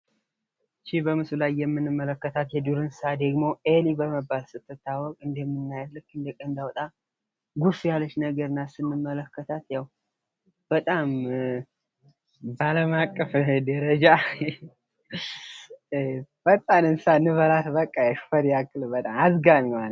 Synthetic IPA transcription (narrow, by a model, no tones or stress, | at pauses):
t͡ʃibəmɨsulajːɛmːɨnːɨmːələkːət̪ʰat̪jɛd̪uɾɨnsad̪əɡmoʔelibəməbːalsɨt̪ːɨt̪ːawɔkʼɨnd̪əmːɨnːajad̪lːɨkːɨnd̪əkʼənd̪awɔt̪ʼa | ɡufujalːət͡ʃːnəɡəɾɨnːasɨnːɨmːələkːət̪ʰat̪jaw | b̥ət̪ʼam | baləmakʼːəfd̪əɾəd͡ʒa | b̥ət̪ʼanɨnsanɨβəɾat̪bəkʼːajɛʃfəɾjakʼːɨlbət̪ʼamazɡanɲan